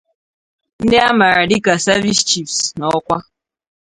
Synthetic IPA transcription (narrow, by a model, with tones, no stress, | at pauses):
n̩˦de˦a˦ma˨ɾa˨di˦ka˨sa˦vi˦st͡ʃi˦psnɔ˦kʷa˦